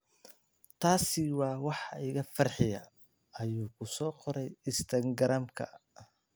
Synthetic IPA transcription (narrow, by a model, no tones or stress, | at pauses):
t̪ʰaːsɪwɑːwɑħɪɣɐfɐrħɪjɐ̰ | ɐjuːkʰʊsɔːqɔɾɛjɪst̪ʰɐŋɡɐɾɐmkʰɐ̰